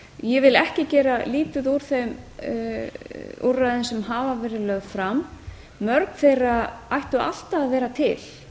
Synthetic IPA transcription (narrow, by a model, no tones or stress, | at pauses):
jɛvɪlɛhcɪcɛːɾaliːt̪ʏðuɾ̥θejm | urːaðɪnsɛmɦaːvavɛːɾɪlœɣð̥fɾamː | œɾkn̥θejraajht̪ʏa̰l̥t̪aːðvɛːɾat̪ʰɪl̥